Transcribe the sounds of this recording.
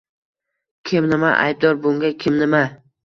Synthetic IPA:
kʲʰɪmnɪma̰ʔa̰jb̚d̪ɒɾbʊŋɡʲakʲʰɪmnɪma

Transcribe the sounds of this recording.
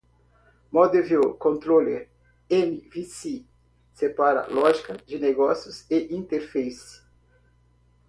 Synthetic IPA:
mɔd̪eviokõnt̪ɾoleɾ | enivisi | sepaɾɐ̰lɔʒikɐd͡ʒɪneɡɔsjʊseʔĩnt̪eɾfejs

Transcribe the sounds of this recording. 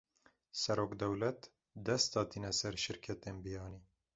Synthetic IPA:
sɛɾoːkd̪ɛwlɛt̪ | d̪ɛst̪ɑːt̪ʰinɛsɛɾʃɪɾkʰɛt̪eːnbijɑːniː

